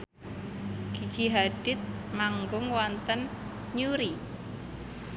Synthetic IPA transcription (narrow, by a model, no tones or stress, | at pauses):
ɡ̥iɡ̥iɦaɖ̥ɪt̪̚maŋɡʊŋwɔnt̪ən | ɲuɾi